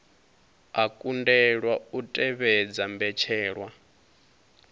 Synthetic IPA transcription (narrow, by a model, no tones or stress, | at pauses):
akʼundɛɺwautʼɛβɛd͡zambɛt͡ʃʰɛːɺwa